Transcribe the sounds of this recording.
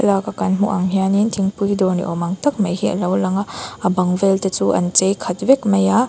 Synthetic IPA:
ɐlaɡakanmuʔaŋɦijanintʰiŋpujdɔɾnḭʔɔmaŋtɐk̚mɐjhiɐ̰lawlɐŋaɐbaŋveltɐt͡ʃuʔɐ̰nt͡ʃejkʰɐtbekmɐja

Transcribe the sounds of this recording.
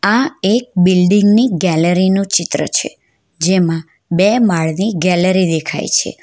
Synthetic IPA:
aek̚bilɖiŋɡniɡɛləɾinũt͡ʃɪt̪ɾə̰t͡ʃʰḛ | d͡ʒemã | bemaɭniɡɛləɾid̪ekʰa̰jt͡ʃʰḛ

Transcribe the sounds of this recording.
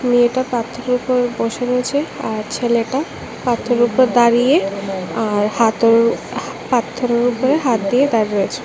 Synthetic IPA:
mieʈapat̪ʰːoɾupoɾbɔʃeɾoet͡ɕʰeaɾt͡ɕʰeleʈa | pat̪ʰːoɾupoɾd̪aɾijeaɾhat̪o | pat̪ʰːoɾoɾupoɾeɦat̪̚d̪ijed̪aɾiɾoet͡ɕʰe̥

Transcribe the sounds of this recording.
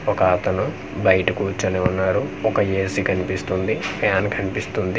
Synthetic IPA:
ɔkɐt̪ɐnu | bɐjʈɐkuːt͡ʃːɐneːunːaːɾuɔkɐjeːsikʰɐnipist̪und̪ipʰjaːnkʰɐnipist̪und̪i

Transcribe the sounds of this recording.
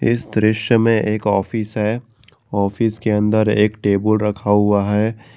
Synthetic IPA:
ɪsd̪ɾɪʃjəmẽʔeːkɔːfisɦɛː | ɔːfiːskeɐ̃nd̪əɾeːkʈeːbəlɾɐkʰaɦʊaɦɛː

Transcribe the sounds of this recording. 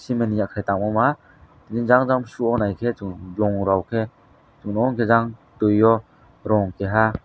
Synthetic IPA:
simenijakʰajtaŋmɔma | tininzaŋzamsuɔnajkʰet͡ʃublɔŋɾawkʰe | t͡ʃuŋnɔɔŋkʰezaŋtujːɔ | ɾɔŋkeɦa

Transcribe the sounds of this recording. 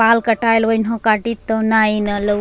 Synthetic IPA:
alkəʈajlʋəinɦõkaʈit̪ːɔnainɐlə

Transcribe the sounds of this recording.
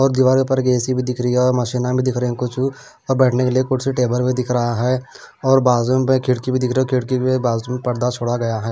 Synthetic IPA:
ɔːɾd̪iːʋaːɾpɐɾɡeːsibʱid̪ɪkʰɾəiɔːɾməʃiːnabʱid̪ɪkʰɾəeɛ̃kʊt͡ʃʰu | ɔːɾbɛːʈʰnekeliekʊʈseʈeːbəɾbʱid̪ɪkʰɾəɦaɦɛː | ɔːɾbaːzomẽkʰɪɽkibʱid̪ɪkʰɾkʰɪɽkiebaːzmẽpɐɾd̪at͡ʃʰoːɽaɡɐjaɦɛː

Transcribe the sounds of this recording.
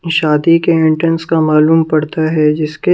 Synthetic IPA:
ʃaːd̪ikeɪ̃ɳʈɾənskamaːluːmpɐɽt̪aɦɛd͡ʒɪske

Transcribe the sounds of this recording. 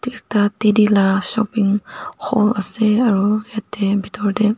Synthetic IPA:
tik̚tatedilasɔ̰piŋhɔ̰laseaɾujatːebitʰɔɹde

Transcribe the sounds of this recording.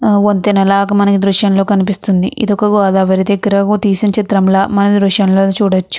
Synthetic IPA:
ont̪inɐlaɐkɐmɐnɐkid̪ɾuʃjɐnlo̞ːkɐnipist̪und̪iʔḭd̪ɔkɐɡaːd̪aːʋɐɾid̪eɡɾɐɡut̪iːsiɲt͡ʃit̪ɾɐmlaːmɐnɐid̪ɾuʃjɐnlo̞ːt͡ʃuːɽɐt͡ʃːu̥

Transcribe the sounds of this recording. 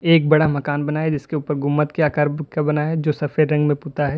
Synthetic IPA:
eːk̚bɐɽamɐkaːnbɐnaːɦɛd͡ʒɪskeuːpəɾɡʱʊmːət̪keaːkaːɾbkabɐnaɦɛd͡ʒoːsɐfʰeɾɾɐ̃ŋɡmẽpuːt̪aɦɛː

